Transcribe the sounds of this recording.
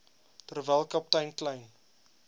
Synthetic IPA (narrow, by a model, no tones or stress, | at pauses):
tərvɛlˠkɐp̚tɐjnklɛjn